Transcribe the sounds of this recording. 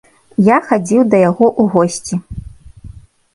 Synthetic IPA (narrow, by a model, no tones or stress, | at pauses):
jaxad͡zʲiwd̪ɐjaɣɔʔuɣɔsʲt͡sʲi